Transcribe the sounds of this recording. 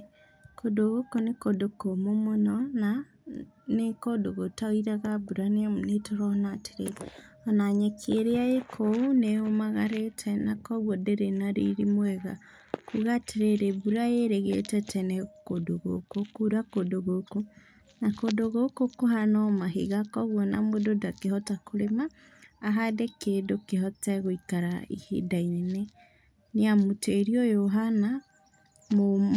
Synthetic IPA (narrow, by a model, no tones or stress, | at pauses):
kodoɣokonekodokomomonɔna | nekodoɣotaoiɾaɣaβuɾanemnetoɾɔnatʰe̥ɾe | ɔnaɲekʰeɾeaekʰouneomaɣaɾetʰɛnakɔβwɔdeɾenaɾiɾimwɛɣa̰ | kuɣatʰeɾeɾeβuɾaeɾɛɣetɛtɛnɛkodoɣo̰kokuɾakodoɣoko | nakodoɣokokoɦanɔmaɦḛɣakɔɣwɔnamododakeɦɔtakoɾemaː | ɦadekeːdokeɦɔtɛɣoikaɾaḭhḛdainenɛ | neamoteɾiɔjoɦana | mo